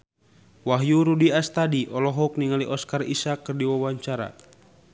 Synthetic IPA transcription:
waɦjuɾudiast̪adiʔɔlɔɦɔuk̚niŋaliʔɔskarḭsakːɨrdiwawaɲt͡ʃaɾa̰

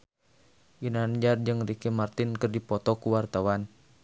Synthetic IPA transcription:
ɡinand͡ʒard͡ʒɨŋrikimart̪inkɨrdipɔt̪ɔkuwart̪awan

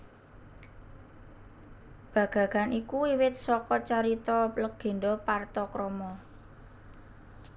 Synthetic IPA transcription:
b̥ä̤ɡ̥a̤ɡ̥a̤nikuiwɪt̪̚sɔkɔt͡ʃaɾit̪ɔləɡ̥e̤ɳɖɔpart̪ɔkɾɔmɔ

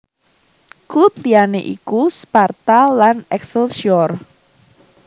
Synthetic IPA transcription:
klup̚lianeʔḭkuspart̪alanɛksəlʃiɔr

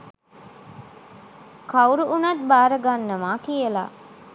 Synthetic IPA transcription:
kauɾuʔunat̪̚baːɾəɡanːəmaːkijəla̰

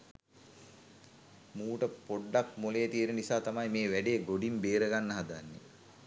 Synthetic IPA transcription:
muːʈəpoɖːak̚moleːt̪ijənənisaːt̪amajmeːʋæɖejːɡoɖimbeːɾəɡanːəɦad̪anːe

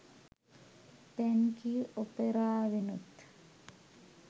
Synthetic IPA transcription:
t̪ɛnkiopeɾaːʋinut̪

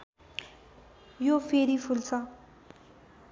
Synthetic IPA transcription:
jofʰeɾipʰult͡sʰʌ

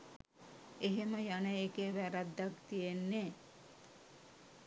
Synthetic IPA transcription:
eɦeməjanəekeʋæɾad̪ːakt̪ijenːe

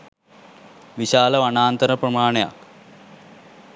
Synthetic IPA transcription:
ʋiʃaːləʋanaːnt̪əɾəprɐmaːneja̰k

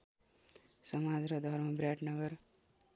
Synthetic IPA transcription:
sʌmad͡zrʌd̪ʱʌrmʌbrjaʈnʌɡʌr

